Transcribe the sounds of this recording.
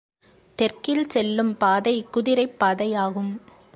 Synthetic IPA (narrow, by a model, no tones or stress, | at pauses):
t̪ɛrkɪlsɛlːɯmpaːðɐɪkʊðɪɾɐɪpːaːðɐjaːɣɯm